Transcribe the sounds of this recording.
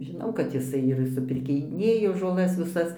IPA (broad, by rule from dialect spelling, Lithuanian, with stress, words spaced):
ʒʲɪˈnɐʊ kɐt jɪˈsɐɪ ɪr sʊpʲɪrʲkʲɪˈnʲeːjoː ʒoːˈlˠɐs ʋʲɪˈsɐs